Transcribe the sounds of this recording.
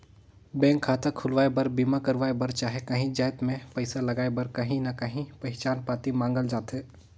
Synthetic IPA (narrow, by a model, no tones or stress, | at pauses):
bɛ̃ːŋkʰːaːt̪akʰʊlʋaːebɐɾbiːmakɐɾʋaːebɐɾt͡ʃaːɦekɐɦĩd͡ʒaːɪt̪mẽpɐɪsalɐɡaːebɐɾkɐɦĩnɐkɐɦĩpɐɦɪt͡ʃaːnpaːt̪imãːŋɡəld͡ʒaːt̪ɦɛː